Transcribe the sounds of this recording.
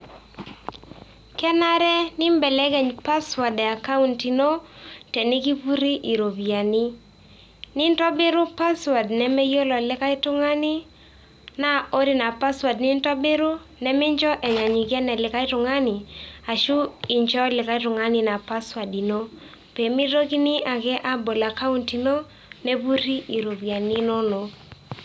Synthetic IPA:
kɛ˦na˦ɾɛ˦nɪ˦mbɛ˨lɛ˦ɡɛ˨ɲpa˦swa˨dɛ˨a˨ka˦u˦nti˨no˦tɛ˨nɪ˦ki˦pu˦ɾi˦ʔi˨ɾo˨bi˨a˨ni˦ | nɪ˦ntɔ˦bɪ˦ɾʊ˦pa˦swa˨dnɛ˨mɛ˦jo˦lɔ˨lɪ˦ka˦ɪ˦tʊ˦ŋa˦nɪ˦ | na˦o˦ɾɪ˦na˨pa˦swa˨dnɪ˦ntɔ˦be˦ɾu˦ | nɛ˦mɪ˦ɲd͡ʒɔ˦ʔɛ˨ɲa˨ɲi˨kjɛ˦nɛ˨lɪ˨ka˦i˦tʊ˨ŋa˦ni˨a˨ʃu˦i˨ɲd͡ʒɔ˦lɪ˨ka˦i˦tʊ˨ŋa˦nɪ˦na˨pa˦swa˨di˨no˦ | pe˨mi˦ɾo˦ki˦ni˦ʔa˨kɛ˦ʔa˦bo˨la˨ka˦u˦nti˨no˦ | ne˦pu˦ɾi˦ʔi˨ɾo˨pi˨a˨ni˦no˦no˨

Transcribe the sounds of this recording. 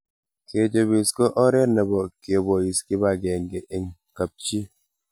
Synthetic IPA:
ke˨d͡ʒo˨bi˨skɔ˦ʔɔ˦ɾɛ˦nɛ˨bɔ˨ki˨o˨bɔ˨i˨ski˦ba˦˨ɡɛ˨ŋ˨ɡe˨ʔe˨ŋ | ka˨p̚t͡ʃi˦

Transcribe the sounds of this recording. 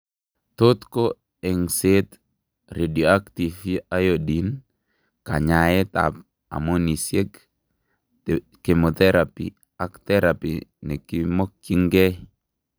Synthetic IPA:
t̪o˦t̪ko˦ | e˨ŋse˦t̪ | ɾe˨di˨o˨a˦kt̪i˨fi˦a˦jo˨di˨n | ka̰˨ɲa˨jɛ˦t̪a̰˨p̚ | a̰˨mo˦ni˨sje˦k | ke˨mo˨t̪ɛ˦ɾapḭ˨ | a˨kt̪ɛ˦ɾa˨pḭnɛ˨kimo˦kːi˦ŋɡɛ˦

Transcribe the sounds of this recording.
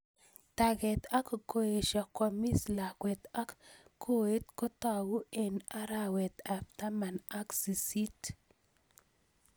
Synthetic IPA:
ta˨ɡɛ˨t̪a˦kko˦˨e˨ʃa˨kɔ˨mi˦sla˨kwɛ˨t̪a˦kkʰːo˦e˦t̪kɔ˦ta˨ɡu˦e˦˨na˦ɾa˦wɛ˨t̪a˨ft̪a˦ma˨na˦ksi˨si˦t

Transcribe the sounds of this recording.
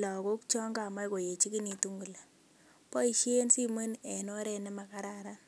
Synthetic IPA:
lɔ˨ko˦k̚t͡ʃɔ˦ŋɡa˨ma˦ko˨je˨t͡ʃi˦ki˦ni˨tu˦ŋɡu˨la˨ | pɔ˦i˨ʃe˦nsi˦me˦ne˨nɔ˦ɾɛ˦nɛ˦ma˨ka˦ɾa˨ɾa˦n

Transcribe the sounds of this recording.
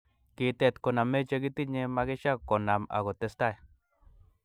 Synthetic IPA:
ki˧t̪e˦˧˨t̪ko˨na˨me˦t͡ʃe˧ɡi˦t̪i˦ɲe˧ma˧ɡe˦ʃa˦ko˨na˨ma̰˨ɣo˨t̪e˧st̪a˦˨j

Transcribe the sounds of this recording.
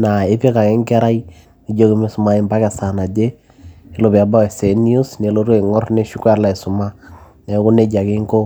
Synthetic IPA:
na˨e˦pe˦ka˨ke˦ŋkɛ˦ɾa˦i˦ | i˨d͡ʒo˦ki˦me˦sʊ˨ma˦i˦mba˦kɛ˨sa˨na˨de˦ | e˨˦lo˦˨bɛ˨a˨ba˦wɛ˨se˨˦ni˦u˦sne˨lo˦ɾwe˦˨ŋɔ˦rne˦ʃu˦ka˦la˨i˨sʊ˨ma˦ | ne˨˦kʊ˦ne˦d͡ʒa˨ki˦ŋko˦

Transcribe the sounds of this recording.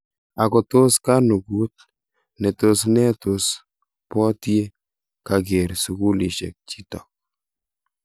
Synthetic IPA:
a˨kɔ˨tʊ˦ska˦nu˨ɡu˦t̚ | nɛ˨tʊ˦snɛ˦tʊ˨s | pɔ˦tje˦ | ka˨ɡe˨ɾsu˨ku˦li˨ʃḛ˨k̚t͡ʃi˦tɔ˨

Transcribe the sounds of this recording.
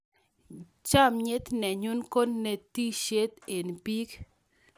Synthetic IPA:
t͡ʃa˦mɲɪ˦t̪nɛ˨ɲu˦nko˦nːe˨t̪i˦ʃe˦t̪e˨npi˦k

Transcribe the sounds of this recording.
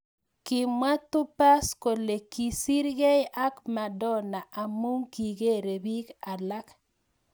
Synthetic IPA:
kɪ˨mwa˦tʊ˦pa˦sko˨le˨ki˨si˦ɾɡe˦jʔa˦kma˨dɔ˦˨na˨ʔa˨mu˦ŋki˨ɡe˦ɾe˨bi˦ka˨la˦k

